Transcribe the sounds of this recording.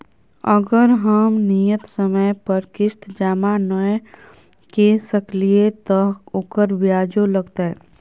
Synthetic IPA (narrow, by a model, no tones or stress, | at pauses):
əɡəɾɦəmnijət̪səməjpəɾkɪst̪ʰd͡ʒaːmanə | kesəkliet̪ɔʊkəɾʋjaːd͡ʒoləɡt̪eɛ̃